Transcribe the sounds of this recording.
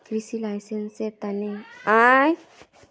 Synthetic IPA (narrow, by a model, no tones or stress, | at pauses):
kɾisilajsenset̪aneaj